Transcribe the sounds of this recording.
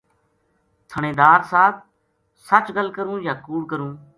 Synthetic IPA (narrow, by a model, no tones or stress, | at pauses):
t̪ʰəɳ̃ẽːd̪aːɾsaːt̪̚ʰ | sət͡ʃɡəlkəɾũːjaːkuːɽkəɾũː